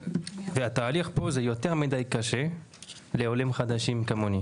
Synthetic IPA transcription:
veat̪aːliχpo̞zejot̪e̞ʁmid̪ajkaʃe | leo̞lemχad̪aʃimkamoni

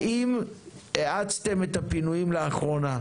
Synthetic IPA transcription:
ʔimeʔat͡st̪e̞met̪apinujimleaχʁo̞na

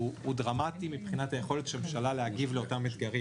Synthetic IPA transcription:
uudʁamatimipχinatajeχo̞let̪ʃemʃalaleaɡivleo̞tamit̪ɡaʁi

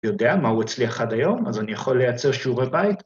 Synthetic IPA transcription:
jo̞deamauet͡sliaχadajo̞mazanijaχo̞lːejat͡se̞ʁʃuʁebait

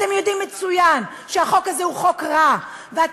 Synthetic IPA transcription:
temjo̞dimːet͡sujan | ʃeaχo̞kazeuχo̞kʁa | vea

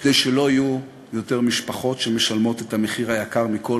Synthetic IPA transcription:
d̪ejʃelo̞aju | jo̞teʁmiʃpaχo̞tʃemeʃalmo̞t̪etameχiʁhajakaʁmiko̞

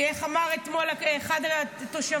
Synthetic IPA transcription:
eχamaʁet̪mo̞laeχad̪t̪oʃa

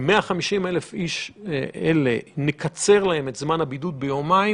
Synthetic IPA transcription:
meaχamiʃime̞lefiʃelḛnekʰat͡se̞ʁlahe̞me̞tzmanhabidut̪̚bejomai

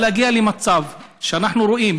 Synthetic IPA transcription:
eaɡialemat͡savʃeanaħnuɾoʔim

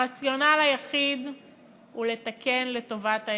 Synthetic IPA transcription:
at͡sjo̞nalajaχid | hule̞t̪ake̞nle̞to̞vat̪a

